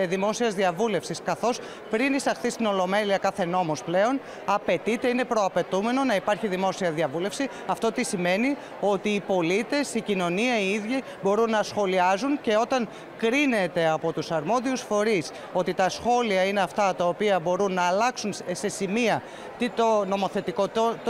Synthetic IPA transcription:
ðimo̞siɐzðiɐvule̞fsiskɐθo̞s | pɾinisɐxθist̪ino̞lo̞me̞liɐkɐθe̞no̞mo̞sple̞o̞n | ɐpe̞t̪it̪e̞ine̞pɾo̞ɐpe̞t̪ume̞no̞nɐipɐɾçiðimo̞siɐðiɐvule̞fsi | ɐft̪ot̪isime̞ni | o̞t̪iːpo̞lit̪e̞sicino̞niɐiiðʝi | bo̞ɾunːɐsxo̞liɐzunce̞o̞t̪ɐŋ | kɾine̞t̪e̞ɐpo̞t̪usɐɾmo̞ðiusfo̞ɾis | o̞t̪it̪ɐsxo̞liɐine̞ɐft̪ɐt̪ɐopiɐbo̞ɾunːɐːlɐksunse̞simiɐ | t̪it̪ono̞mo̞θe̞t̪ikot̪ot̪

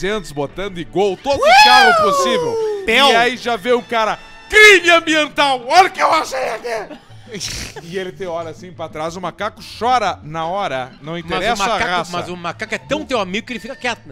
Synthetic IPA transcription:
sẽnt̪ʊzbot̪ɐ̃nd̪ʊɪɡwawt̪od̪ʊkaɾʊposivewpɛwaiʒavẽjʊ̃kaɾɐ | kɾimɪɐ̃mbiẽnt̪awɔlɐkɪewaʃejɐkɛ | ɪelɪt̪ẽj̃ɔɾɐsĩpɾat̪ɾazʊmakakʊ̥ʃɔɾɐnɐɔɾɐnɐ̃w̃ĩmt̪ɐzɾɛsmakaʁassmɐzzʊmakakʊɛt̪ɐ̃w̃t̪ewamiɡʊkelɪfikɐkɛt̪ʊn

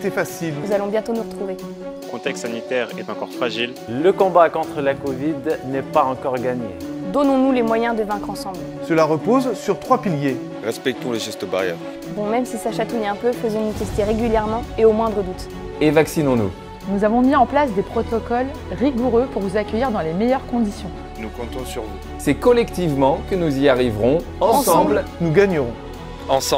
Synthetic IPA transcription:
t̪ɛfasilzalɔ̃bjɛ̃t̪onuʁət̪χuve | əkɔ̃t̪ɛkst̪sanit̪ɛʁɛ̰t̪ɑ̃kɔʁfχaʒil | ləkɔ̃bakɔ̃t̪χəlakɔvid̪nɛpaɑ̃kɔʁɡaɲḛd̪ɔnɔ̃nulemwajɛ̃d̪əvɛ̃kχɑ̃sɑ̃bl | səlaʁəpozsyʁt̪χwapilje | ʁɛspɛk̚t̪ɔ̃ləʒɛst̪oba̰ʁjɛ̰ːʁ | bɔ̃mɛmsisaʃat̪ujɛ̃pøfəzɔ̃nut̪ɛst̪eʁeɡʲyljɛʁmɑ̃eomwɛ̃d̪ʁəd̪ut̪ | evaksinɔ̃nṵ | nuzavɔ̃miɑ̃plasd̪epχɔt̪ɔkɔl | ʁiɡuʁøpuʁvuzakʲœjiʁd̪ɑ̃lemejœʁkɔ̃d̪isjɔ̃ | nukɔ̃t̪ɔ̃syʁvu | sɛkɔlɛkt̪ivmɑ̃kənuziaʁivʁɔ̃ | ɑ̃sɑ̃blnuɡaɲəʁɔ̃ | ɑ̃s

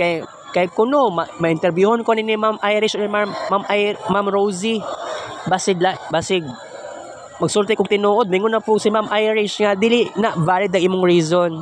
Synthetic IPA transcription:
kaj | kajkʊnomamɐʔɪnt̪ɛɾbjuːhonkoninimamʔajɾɪʃomaːamʔajmamɾowsi | basɪdlabasɪɡ | mɐɡsuɾt̪ɛkʊŋt̪ɪnuːʔod̪̚mɪŋʊnapʊsɪmamʔajɾɪʃŋad̪iːlɪʔnaʔvaːlɪd̪ɐŋʔiːmʊŋɹiːzon

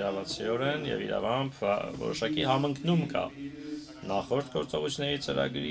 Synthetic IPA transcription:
ɾɑvɑt͡sʰiɔɾɛnjɛ̰viɾɑ̰vɑmpʰvɔ̰ɾɔʃɑkiɦɑməŋkʰnumkʰɑ̰ | nɑχɔɾt̪ʰɡɔɾt͡sɔʁut͡sʰunɛɾit͡səɾɑ̰ɡɾi

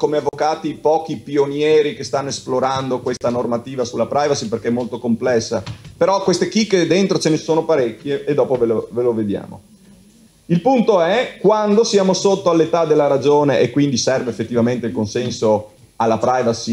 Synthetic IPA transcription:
komeavːokaːt̪ipɔːkipionjɛːɾikest̪anːoesploɾand̪okwest̪anormat̪iːvasulːapɾajvasiperkeɛmːolt̪okomplɛsːapeɾɔkwest̪ekikːed̪ent̪ɾot͡ʃenesoːnopaɾɛkːjeːd̪ːɔːpoveloveloved̪ja̰ːmo̰ | ilpunt̪oɛkwand̪osjaːmosot̪ːoalːet̪ad̪elːaɾad͡ʒoːneʔekːwind̪isɛrveefːet̪ːivament̪eilkonsɛnso | alːapɾajvasi

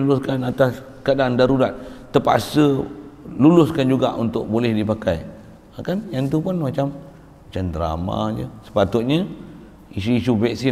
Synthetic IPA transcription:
lulʊskanat̪as | kadandaɾudat̪̚t̪ːəpa̰sə | lulʊskand͡ʒuɡa̰ʔunt̪ʊk̚bolɛhdipakaj | akanjant̪̬upʊnmat͡ʃam | t͡ʃand̪əɾa̰mã̰d͡ʒə̰sə̥pat̪ʊt̪̚ɲa | isuisuvɛk̚si

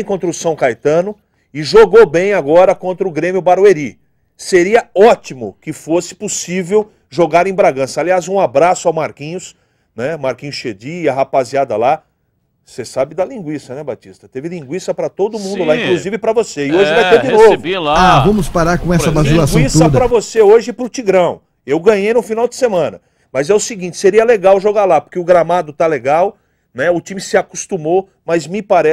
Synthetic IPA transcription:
kõnt̪ɾʊsɐ̃w̃kajt̪ɐ̃nʊ | ɪʒoɡobẽj̃aɡɔɾɐkõnt̪ɾɐʊɡɾẽmjʊbaɾweɾi | seɾiɐɔt͡ʃimʊkɪfosɪ̥posivew | ʒoɡaɾẽj̃bɾaɡɐ̃sɐaliazũabɾasʊawmaɾkĩɲʊs | nɛmaɾkĩɲʊsʃed͡ʒiːɐɦapaziad̪ɐla | sesabɪd̪ɐlĩɡwisɐnɛbat͡ʃist̪ɐt̪evɪlĩŋɡwisɐpɾɐt̪od̪ʊmũd̪ʊlaĩkluzivɪpɾɐvoseɪoʒɪvajt̪eɾd͡ʒɪnovʊlaavɐ̃mʊspaɾaɾkõɛɐvazilasɡw̃isɐpɾɐvoseoʒɪpɾʊt͡ʃiɡɾɐ̃w̃ | ewɡɐ̃ɲejnʊfinawd̪ɪsemɐ̃nɐ | mɐzɛʊsɪɡĩnt͡ʃɪ̥seɾiɐleɡawʒoɡalapoɾkeʊɡɾamad̪ʊt̪aleɡaw | nɛʊt͡ʃĩmɪsɪakust̪umo | mɐzmɪpaɾɛ

